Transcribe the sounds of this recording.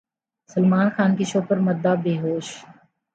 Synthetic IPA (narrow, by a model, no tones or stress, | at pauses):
səlmaːnxaːnkiʃoːpəɾmɐd̪ːabeːɦoːʃ